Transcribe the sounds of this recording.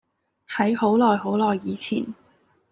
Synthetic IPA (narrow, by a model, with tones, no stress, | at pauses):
hɐ˨˥jho˨˥wlɔː˨jɦo˨˥wlɔː˨˩jːiː˨˧t͡sʰḭː˨˩n